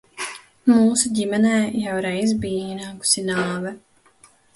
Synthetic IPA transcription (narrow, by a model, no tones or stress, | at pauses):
muːsuɟʲimɛnɛːjawɾɛjz̬biːiːnaːku̥sinɑːvɛ